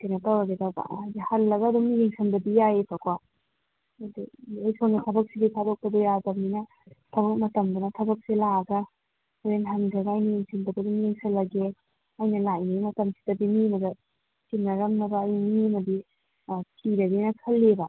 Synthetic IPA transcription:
kanɐtɐwɾɐɡedaba̰ajɡihɐlːɐɡɐːduŋjeŋsʰɐnbɐdijajepʰɐkwaː | duojsʰoŋɡit̪ʰɐbɐk̚sidikʰadok̚pɐdojadɐmninɐ | tʰɐbɐk̚mɐtɐmdɐnɐtʰɐbɐk̚silaɡɐ | oɾenɦɐnɡɐɡaːjnijeŋsʰindaɡaduŋjeŋsɐlːɐɡe | ajnɐlajnimɐtɐmsi̥dɐbimimɐdɐ | t͡ʃinnɐɾɐmnɐbɐːjnmiɐmɐdi | tʰidɐɡinɐkʰɐlːebɐ

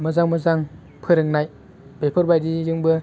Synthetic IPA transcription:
mɯzaŋmɯzaŋ | pʰɯɾɯŋnaj | b̥epʰɔɾbajdijɯŋbɯ

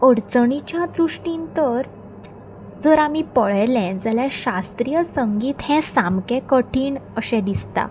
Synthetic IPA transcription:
əɽt͡səɳit͡ɕjãd̪ɾuʂʈint̪əɾ | d͡zəɾamipəɭəjlɛ̃nd͡zaljaɕast̪ɾijəsəŋɡiːt̪hɛ̃samkɛ̃kəʈʰiːɳəɕɛ̃d̪ist̪a̰

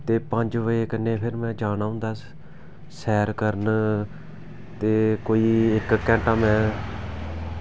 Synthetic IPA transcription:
t̪eːpəɲd͡ʒʋəeːkənːẽːpʰɪɾmɛ̃ːd͡ʒaːnaːʊ̃nd̪aːs | sɛːɾkəɾn | t̪eːkoːiːɪkkːɛ̃ːɳʈãːmɛ̃ː

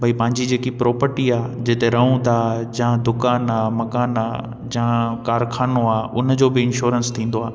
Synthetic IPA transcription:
bʱɐipɐ̃ɦɪ̃ɲd͡ʑid͡ʑeːkipɾɔːpəɾʈiaːd͡ʑɪt̪eɾɐ̃ũt̪aːd͡ʑãd̪ʊkaːnaːmɐkaːnaː | d͡ʑãkaːɾkʰaːnoaːʊnd͡ʑoːbɪɪnʃoːɾənst̪ʰĩːn̆d̪oaː

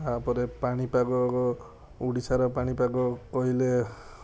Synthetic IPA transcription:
apɔɾepaɽ̃ipaɡɔ | uɽisaɾɔpaɽ̃ipaɡɔkɔɦjle

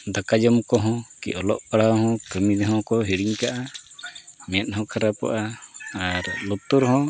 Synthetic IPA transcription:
d̪akad͡ʒɔmkɔɦɔ̃kḭʔɔlɔʔpaɽaɦɔ̃kəmid̪ɛɦɔ̃kɔɦiɽiɲkaʔa | mɛt̪̚ˀhɔ̃kʰaɾapa̰ʔaaɾlut̪uɾɦɔ̃

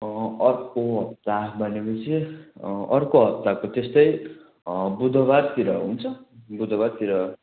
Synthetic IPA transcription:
ʌrkoɦʌp̚t̪abʱʌnekʌt͡sʰi | ʌrkoɦʌp̚t̪akot̪est̪ʌj | bud̪ʱʌβad̪̚t̪iɾʌɦunt͡sʰʌbud̪ʱʌbad̪̚t̪iɾʌ

